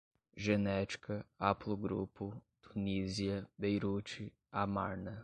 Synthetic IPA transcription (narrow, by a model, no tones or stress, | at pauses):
ʒenɛt͡ʃi̥kɐapluɡɾṵpʊt̪uniziɐbejɾut͡ʃi | amaɾnɐ